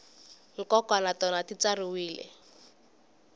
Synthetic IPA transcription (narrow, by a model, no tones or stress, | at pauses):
ŋ̩kɔkwanatɔnatit͡sariwiːlɛ̰